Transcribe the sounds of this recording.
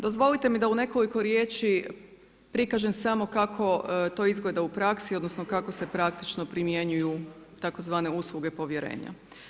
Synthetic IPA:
d̪o̞zʋo̞lit̪e̞mid̪aune̞ko̞liko̞ɾje̞ːt͡ʃi | pɾikaʒemsamo̞kakʰo̞t̪o̞ːizɡle̞d̪aupɾaksio̞d̪nosnokako̞se̞pɾakt̪it͡ʃno̞pɾimje̞ɲujut̪ako̞zʋaːne̞uslˠuɡe̞po̞ʋje̞ɾe̞̰ːɲa̰

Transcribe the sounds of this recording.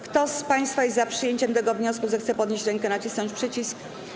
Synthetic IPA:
kt̪ɔspaj̃st̪fajɛst̪zapʂɘjeɲt͡ɕɛmt̪ɛɡɔvɲɔskuzɛxt̪sɛpɔd̪ɲeɕt͡ɕɾɛŋkɛnat͡ɕisnɔɲt͡ɕpʂɘt͡ɕisk

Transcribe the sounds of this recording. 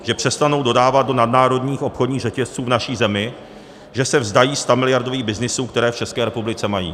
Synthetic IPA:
ʒ̥ɛpr̝̥ɛst̪ano̞wdo̞daːvat̪̚do̞nadnaːɾo̞dɲiːxʔo̞pxodɲiːɣrɛcɛst͡suːvnaʃiːzɛmɪ | ʒɛsɛvzdajiːst̪amɪlɪjaɾdo̞viːɣbɪznɪsuːkt̪ɛɾɛːft͡ʃɛskɛːɾɛpublɪt͡sɛmajḭː

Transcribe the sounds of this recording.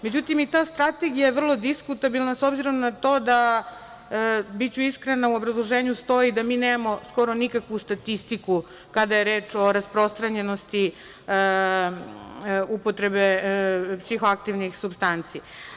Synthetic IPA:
me̞d͡ʑut̪imit̪aːst̪ɾat̪e̞ɡijajeʋr̩lˠo̞d̪iskut̪abilˠnasobziɾo̞mnat̪o̞ːd̪a | bit͡ɕuiskɾenauo̞bɾazlˠoʒeːɲust̪o̞id̪amiːneːmamo̞sko̞ɾo̞nikakʋust̪at̪ist̪iku | kad̪ajeɾeːt͡ʃo̞ɾaspɾo̞st̪ɾaɲe̞no̞st̪i | upot̪ɾe̞be̞psixoak̚t̪iʋnixsubst̪ant̪sija

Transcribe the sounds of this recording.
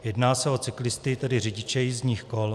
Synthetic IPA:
jɛdnaːsɛo̞t͡sɪklɪst̪ɪt̪ɛdɪrɪɟɪt͡ʃɛjɪzɲiːxkol

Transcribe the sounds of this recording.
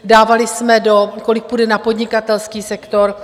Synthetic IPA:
daːvalɪsmɛdo̞ko̞lɪk̚pudɛnapo̞dɲɪkat̪ɛlskiːsɛkt̪o̞ɾ

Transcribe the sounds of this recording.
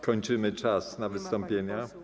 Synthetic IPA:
kɔɲt͡ʂɘmɘt͡ʂasnavɘst̪ɔmpʲjeɲa

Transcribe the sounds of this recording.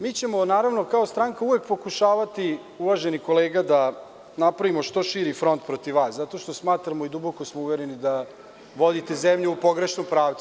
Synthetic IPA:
miːt͡ɕemo̞naːɾaʋnokaost̪ɾaːŋkauʋe̞k̚po̞kuʃaːʋat̪i | uʋaʒeniko̞leːɡad̪a | napɾaʋimo̞ʃt̪o̞ʃiːɾifɾo̞nt̪̚pɾo̞t̪iʋaːszat̪o̞ʃt̪o̞smaːt̪ɾamo̞id̪ubokosmouʋeɾenid̪a | ʋo̞d̪it̪e̞zemʎuupo̞ɡɾe̞ʃnompɾaːʋt̪su

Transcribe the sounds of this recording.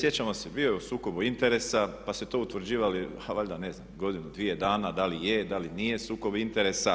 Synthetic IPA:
sje̞t͡ɕamo̞sebio̞jeusuːko̞buint̪eɾe̞sapaset̪o̞ut̪ʋɾ̩d͡ʑiːʋali | aʋaʎd̪ane̞znamɡo̞d̪inud̪ʋije̞d̪aːnad̪alijed̪alinijesuːko̞bint̪eɾesa

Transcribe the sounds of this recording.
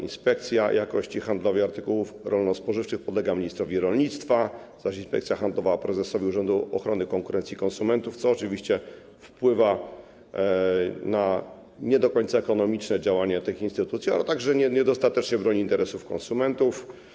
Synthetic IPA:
ḭnspɛk̚t̪sʲjajʔakɔɕt͡ɕixand̪lɔviaɾt̪ɘkuwufɾɔlnɔspɔʐɘft͡ʂɘxpɔd̪lɛɡamʲiɲist̪ɾɔvʲiɾɔlɲit̪st̪fa | zaʂinspɛ̰k̚t̪sʲjaxand̪lɔvapɾɛzɛsɔvʲiuʐɛnd̪uɔxɾɔnɘkɔŋkuɾɛnt̪sʲikɔnsumɛnt̪uft̪sɔːt͡ʂɘvʲiɕt͡ɕɛ | fpwɘva | na | ɲɛd̪ɔkɔɲt̪saɛkɔnɔmʲit͡ʂnɛd͡ʑawaɲɛt̪ɘxinst̪ɘt̪ut̪sʲia̰lɛ̰t̪aɡʐɛɲɛɲɛd̪ɔst̪at̪ɛt͡ʂɲɛbɾɔɲiːnt̪ɛɾɛsufkɔ̰nsumɛnt̪uf

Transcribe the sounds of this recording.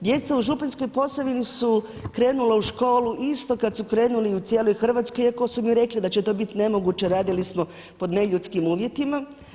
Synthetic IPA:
d̪je̞t̪sauʒupanskojpo̞saʋinisu | kɾe̞ːnulauʃko̞ːluʔist̪o̞kad̪sukɾe̞ːnuliut̪sje̞ːlo̞jxr̩ʋat̪skojeko̞sumiɾe̞klid̪at͡ɕet̪o̞bit̪ne̞mo̞ɡut͡ɕeɾaːd̪ilismo̞ | po̞d̪ne̞ʎut̪skimuːʋje̞t̪ima

